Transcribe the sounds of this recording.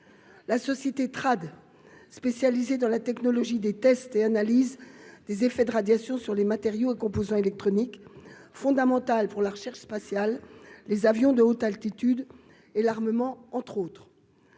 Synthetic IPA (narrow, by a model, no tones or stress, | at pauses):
lasɔsjet̪et̪χad̪ | spesjalized̪ɑ̃lat̪ɛknɔlɔʒid̪et̪ɛst̪eanalizd̪ezefɛd̪əʁad̪jasjɔ̃syʁlemat̪eʁjoekɔ̃pozɑ̃elɛk̚t̪χɔnik | fɔ̃d̪amɑ̃t̪alpuʁlaʁəʃɛʁʃspasjalːezavjɔ̃d̪əot̪alt̪it̪yd̪ | elaʁməmɑ̃ɑ̃t̪χot̪χ